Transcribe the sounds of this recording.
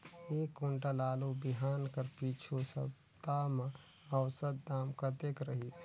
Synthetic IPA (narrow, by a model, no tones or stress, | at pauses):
eːkːʊɳʈalaːlubɪɦaːnkəɾpiːt͡ʃʰosəb | t̪amə | əwsət̪̚d̪aːmkad̪eːkʰɾəɦi